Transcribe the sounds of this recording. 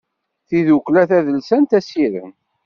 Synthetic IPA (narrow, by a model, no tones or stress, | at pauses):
θiðukːlæθæðəlsænt̪æsiɾə̰n